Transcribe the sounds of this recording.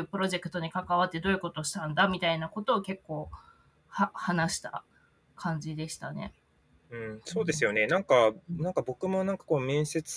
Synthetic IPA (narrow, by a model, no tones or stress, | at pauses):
ɯ̟ːpɯ̟ɾo̞ʑe̞kɯ̟̥t̪o̞ɲ̟ikakaβat̪ːe̞d̪o̞ːi̟ko̞t̪o̞ɕi̥t̪ãnd̪amʲit̪ainako̞t̪o̞ːke̞kːo̞ː | hahanaɕi̥t̪a̰ | kʰãɲ̟d͡ʑid̪e̞ɕi̥t̪ane̞̰ | ɯ̟̃ɴso̞ːd̪e̞sɨjo̞ne̞nãŋkanãŋkabo̞kɯ̟mo̞nãŋkḁkoːmẽ̞ɰ̃se̞t͡sɨ̥